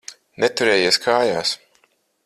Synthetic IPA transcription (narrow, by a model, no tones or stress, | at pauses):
net̪uɾɛːjiːskʰaːjaːs